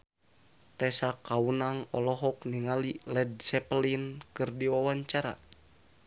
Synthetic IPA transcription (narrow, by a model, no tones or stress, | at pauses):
t̪ɛsakaunaŋɔlɔɦɔk̚niŋalilɛd̚sɛplinkɨrdiwawaɲt͡ʃaɾa̰